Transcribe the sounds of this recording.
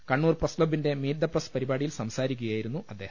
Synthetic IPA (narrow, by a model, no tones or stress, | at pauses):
kɐɳːuːrprɐsklobːinde̞miːɾd̪ɐprɐspɐɾibaːɽijilsɐmsaːɾikʲːuɣjaːjiɾunːuʔɐd̪ːe̞ːhɐ